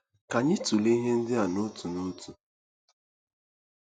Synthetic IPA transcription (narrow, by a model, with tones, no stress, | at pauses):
ka˨ɲɪ˦tu˨le˦i˦ɦe˦n̩˦dɪ˦a˨nʊ˦tu˨nu˦tʰu˨